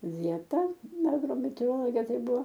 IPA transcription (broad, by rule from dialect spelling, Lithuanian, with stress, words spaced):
ˈʋʲiɛtɐ ɐɡroːmʲɛtʲɛoːroːˈlˠoːɡʲɛ ˈtɐɪ ˈbʊʋoː